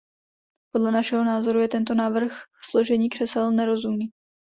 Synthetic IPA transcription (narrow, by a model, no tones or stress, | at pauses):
po̞dlɛnaʃɛɦo̞naːzo̞ɾujɛt̪ɛnt̪o̞naːvr̩xslo̞ʒɛɲiːkr̝̥ɛsɛlnɛɾo̞zumniː